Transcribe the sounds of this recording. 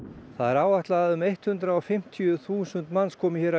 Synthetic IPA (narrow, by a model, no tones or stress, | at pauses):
θaðɛɾaːwvaht̪laðaðʏmejht̪hʏnt̪ɾaɔfɪm̥t̪ʰijʏθuːsʏnt̪manskʰɔːmɪçɛɾa